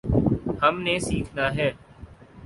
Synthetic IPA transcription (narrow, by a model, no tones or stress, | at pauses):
həmneːsiːkʰnaːɦɛː